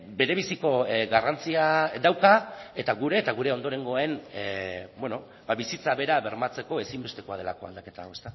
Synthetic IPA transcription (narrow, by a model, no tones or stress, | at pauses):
be̞ɾe̞β̞isiko̞ɡarant͡siad̪awkae̞t̪aɣuɾe̞ːt̪aɣ̞uɾe̞o̞nd̪o̞ɾe̞ŋɡo̞aen | bweno̞ | baβisit͡saβe̞ɾaβe̞ɾmat͡se̞ko̞e̞simbe̞st̪e̞ko̞að̞e̞lako̞a̰ld̪ake̞t̪aoe̞st̪a